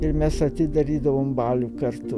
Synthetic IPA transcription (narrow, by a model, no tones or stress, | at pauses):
ɪɾmʲɛsɐt̪ʲɪd̪ɐɾʲiːd̪ɐʋoːmbɑːlʲukɐɾt̪ʊ